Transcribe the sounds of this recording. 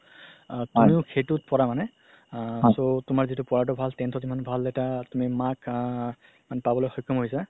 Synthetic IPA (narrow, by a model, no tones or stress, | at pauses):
tumiʊkʰetut̚pɔɹamanɛ | sotʊmaɹzitʊpɔɹat̬ɔbʱaltɛntʰɔzimanbʱalːɛtatumimak | manɛpabɔlojxɔjkʰːɔmɦojsa